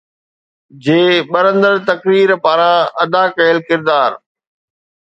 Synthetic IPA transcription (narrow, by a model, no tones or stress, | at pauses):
d͡ʑeːɓɐɾə̃nd̪əɾt̪ɐkɾiːɾpaːɾãɐd̪akɐəlkɪɾd̪aːɾ